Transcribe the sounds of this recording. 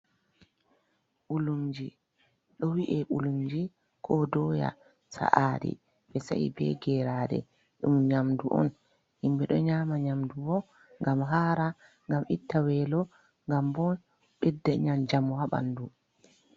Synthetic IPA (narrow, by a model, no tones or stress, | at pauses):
ʔulumd͡ʒi | ɗɔwiʔɛʔulumd͡ʒi | kʰɔdɔja̰ | sa̰ʔaːdḭ | ɓɛsa̰ḭbɛ̰ɡɛɾaːdɛ̰ | ɗumɲamduʔɔ̰n | himbɛɗɔɲaːmaɲamdubɔ | ŋɡamɦaːɾa | ŋɡamʔitːawɛlɔ | ŋɡambɔn | ɓɛdːɛɲamd͡ʒamhaɓa̰ndu